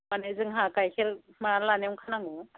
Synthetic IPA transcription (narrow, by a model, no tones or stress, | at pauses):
manezɯŋɦakajkʰeɾmalaneŋkʰanaŋɔ